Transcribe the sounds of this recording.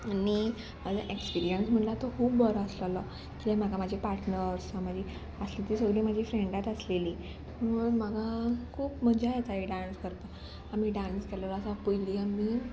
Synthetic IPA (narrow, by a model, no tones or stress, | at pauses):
ani | mad͡zaʔekspiɾijənsm̤əɳlat̪ɔkʰuːbːəɾɔəslalɔ | kit̪ẽm̤aɡamad͡ʑʱipaɾʈnəɾsʋãmad͡ʑʱi | əslit̪iːsəɡliːmad͡ʑʱifɾeɳɖat̪əsleliː | muɳmaɡakʰuːpm̤əd͡ʑaet͡saiɖãnskəɾp̪ə | amiːɖãnskellɔasapujliːamiː